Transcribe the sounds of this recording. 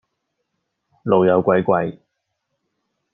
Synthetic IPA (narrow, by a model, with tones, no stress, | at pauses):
lo˨wjɐ˨˧wkʷɐ˧jkʷɐ˧j